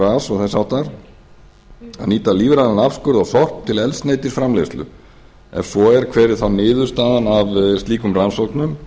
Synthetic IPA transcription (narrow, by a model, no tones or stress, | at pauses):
aːsɔɣθasawht̪aɾ̥ | a̰ðniːt̪aliːvɾaðanafskʏɾðɔɣθɔr̥pt̪ʰɪlɛlsnejt̪ɪsfɾamlest̪ʏ̰ | ɛ̰nsvɔɛɾkʰvɛːɾɪ̥θawnɪːðʏɾ̥st̪aːðanavst̪liːkʏmransowk̪nʏm